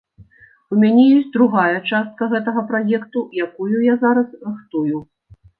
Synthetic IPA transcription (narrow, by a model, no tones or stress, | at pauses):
umʲanʲɛjɔsʲtʲd̪ɾuɣajɐt͡ʂast̪̚kɐɣɛt̪ɐɣɐpɾajɛkt̪ujakujujazaɾɐsrɨxt̪uju